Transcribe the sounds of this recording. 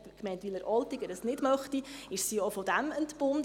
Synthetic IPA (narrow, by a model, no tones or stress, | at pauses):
kmɛɪntʋiləɾʔɔltiɡəɾəsnɪdmœχtiɪʃsiɔfɔd̥æməntb̥ʊn